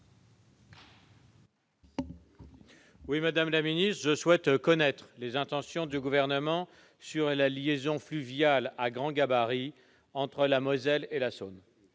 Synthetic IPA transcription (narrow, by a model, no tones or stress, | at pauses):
wimad̪amlaminist̪χəʒəswɛt̪kɔnɛt̪χlezɛ̃t̪ɑ̃sjɔ̃d̪yɡuvɛʁnəmɑ̃ | syʁlaljezɔ̃flyvjalaɡʁɑ̃ɡabaʁi | ɑ̃t̪χəlamɔzɛlelason